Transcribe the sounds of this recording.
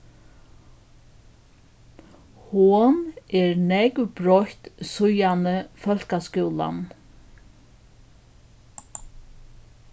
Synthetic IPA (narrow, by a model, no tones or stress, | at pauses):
hʊnɛɾnɛkvpɾɔht̪sʊjanəfœl̥kaskʏwla̰n